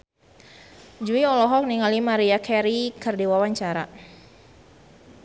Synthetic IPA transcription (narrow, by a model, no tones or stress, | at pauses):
d͡ʒuiɔlɔɦɔk̚niŋalimaɾiakʰɛɾikərdiwawaɲt͡ʃaɾa̰